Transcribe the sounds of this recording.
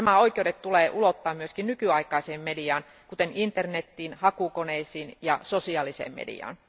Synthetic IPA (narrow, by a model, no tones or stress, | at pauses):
æmæoikˑeudet̪t̪uleːʔulot̪ːɑːmmyøskinnykyɑikˑɑiseːmmediɑːn | kut̪enint̪ernet̪ːiːnhɑkukoneisiːnjɑsosiɑlisḛːmmḛdḭɑ̰ːn